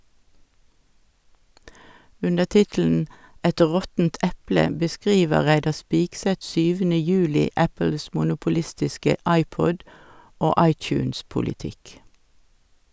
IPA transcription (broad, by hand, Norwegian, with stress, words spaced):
ˈʉndəʁ ˈtɪtl̩n̩ ˈɛt ˈʁɔtn̩t ˈʔɛplə bəˈskʁiːʋə ˈʁæɪdɑ ˈspɪksɛt ˈsyːʋənə ˈjʉːlɪ ˈæpəls mʊnʊpʊˈlɪstɪskə ˈɑɪˌpɔd ˈoː ˈɑɪˌt͡ʃʉːnspʊlɪˌtɪk